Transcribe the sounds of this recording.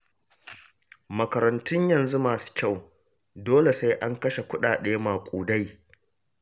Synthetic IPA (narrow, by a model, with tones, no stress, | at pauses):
mɐ˨kɐ˨ɾɐ˨ntʊ˦ɲjɐ˨nzu˦maː˨su̥˦kʲa˦˨w | doː˦le˨sa˦jʔa˦ŋkɐ˦ʃe˨kʷʊ˦ɗaː˨ɗeː˦maː˨kʷʼuː˨da˦j